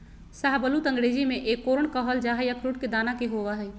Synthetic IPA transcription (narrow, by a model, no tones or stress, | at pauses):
saɦbəlut̪ə̃ŋɡɾeːd͡ʒimẽʔeːkːoɾəɳkəɦəld͡ʒaːɦɛjəkɾuʈ̚ked̪aːnakeɦoʋaɦɛj